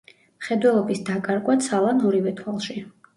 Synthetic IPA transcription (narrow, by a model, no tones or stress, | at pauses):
mχɛd̪wɛlˠɔbisd̪akʼaɾkʼwat̪sʰalˠanɔɾivɛt̪ʰwalˠʃi